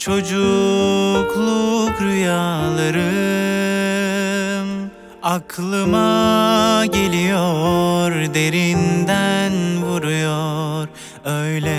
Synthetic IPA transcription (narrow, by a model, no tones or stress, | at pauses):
t͡ʃʰo̞d͡ʒu | klˠukɾyjalˠaɾɯ | m | akʰlˠɯma | ɟe̞lʲijoɾd̪e̞ɾind̪ænvuɾujoɾ | øjlʲɛ